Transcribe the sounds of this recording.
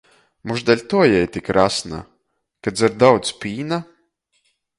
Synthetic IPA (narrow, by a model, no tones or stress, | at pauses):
muʒd̪ɛlʲt̪uɔjɛjt̪ikɾasna̰ | kad̪zaɾd̪awt̪spʲiːna